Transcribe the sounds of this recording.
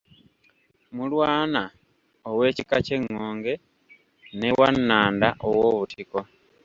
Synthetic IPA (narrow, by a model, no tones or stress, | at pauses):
mulwaːna | owe̞ːcikace̞ŋːoːŋɡe̞ | ne̞wanːaːndaʔowoːβutʰiko̞